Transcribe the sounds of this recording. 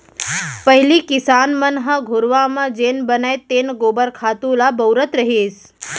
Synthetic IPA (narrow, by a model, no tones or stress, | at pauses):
pəɦilikɪsanmənɦəɡʱoɾʋamãd͡ʒenbənajt̪enɡobəɾkʰat̪ulabəwɾət̪ɾəɦeːs